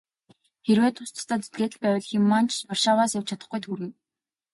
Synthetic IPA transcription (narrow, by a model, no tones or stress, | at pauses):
xeɾweːt̪ʰʊst̪ə̥̆st̪ʰaːt͡se̥t̪ɡeːt̪ɘ̆ɮpæːwʲə̆ɮxɪ̆mːant͡ɕʰɔrʃaːwaːsjaw̥t͡ɕʰat̪ə̆χɡujt̪ʰuɾɘ̆ŋ